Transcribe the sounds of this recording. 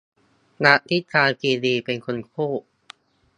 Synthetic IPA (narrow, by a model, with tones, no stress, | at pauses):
na˦˥ʔt̪ʰi˦˥kʰaː˧ŋkiː˧diː˧pe˧nkʰo˧nkʰuː˥˩